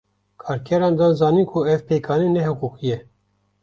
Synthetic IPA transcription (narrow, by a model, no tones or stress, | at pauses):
kʰɑːɾkʰɛɾɑːnd̪ɑːnzɑːniːnkʰuɛvpeːkʰɑːnenɛɦɛkuːkijɛ